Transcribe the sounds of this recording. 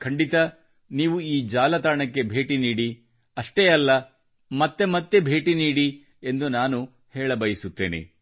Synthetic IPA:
kʰɐɳɖit̪ɐ | niːʋuiːd͡ʒaːlɐt̪aːɳɐkːe̞bʱe̞ːʈiniːɽi | ɐʂʈeɐlːɐ | mɐt̪ːe̞mɐt̪ːe̞bʱe̞ːʈiniːɽi | e̞nd̪unaːnu | hɛːɭɐbɐjisut̪ːeːnḛ

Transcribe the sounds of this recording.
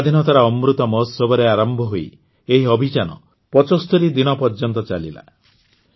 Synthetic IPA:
d̪ʱinɔt̪aɾaɔmɾut̪ɔmɔɦsɔbɔɾeaɾɔmbʱɔɦoi | eɦiɔbʱit͡ʃanɔ̰ | pɔt͡ʃɔst̪ɔɾid̪inɔpɔɾd͡ʒɔnt̪ɔt͡ʃalḭla̰

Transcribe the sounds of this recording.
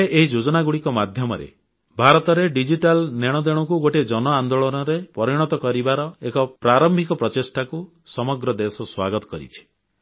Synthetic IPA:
eʔeɦid͡ʒod͡ʒɔnaɡuɽikɔmad̪ʱjɔmɔɾḛ | bʱaɾɔt̪ɔɾeɖid͡ʒiʈalneɽ̃ɔd̪ẽɔkuɡoʈed͡ʒɔnɔand̪oɭɔnɔɾepɔɾiɽ̃ɔt̪ɔkɔɾibaɾɔekɔpɾaɾɔmbʱikɔpɾɔt͡ʃesʈaku | sɔmɔɡɾɔd̪esɔswaɡɔt̪ɔ̥kɔɾḭt͡ʃʰi̥

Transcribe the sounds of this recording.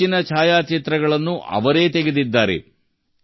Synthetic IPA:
inɐt͡ʃʰaːjaːt͡ʃit̪ɾɐɡɐɭɐnːuʔɐ̰ʋɐɾe̞ːt̪eɡed̪id̪ːaːɾḛ

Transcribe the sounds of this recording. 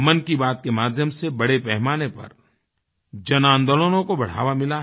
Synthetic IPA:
mənkibaːt̪kemaːd̪ʱjəmsebɐɽepɛɦmaːnepɐ̰ɾ | d͡ʒɐnãːnd̪əlonõkobɐɽ̤a̰ːʋamɪla

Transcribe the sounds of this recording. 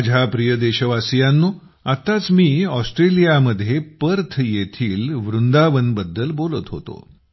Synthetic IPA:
d͡ʑʱapɾijəd̪eɕəʋasijanːo | at̪at͡smiːɔsʈɾelijaməd̪ʱːjepəɾt̪ʰjet̪ʰiːlʋɾund̪aʋənbəd̪ːəlbolət̪ɦo̰t̪o̰

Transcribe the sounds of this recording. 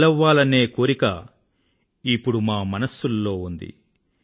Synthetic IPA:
lɐʋːaːlɐne̞ːkoːɾikɐ | ipːuɽumaːmɐnɐsːulːo̞ːund̪ḭ

